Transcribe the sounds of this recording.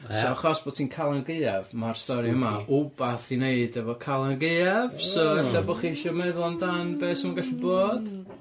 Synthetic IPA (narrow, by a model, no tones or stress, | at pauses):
soaχɔsb̥oːd̥̚tʰiːnkʰalˠanɡeɨavmarstɔɾiəmaʊbaθineɨdɛvɔkʰalˠanɡeɨav̥sɔaɬabɔχiʃɔmɛðˠndanbeːsəmanɡaɬiboːd̥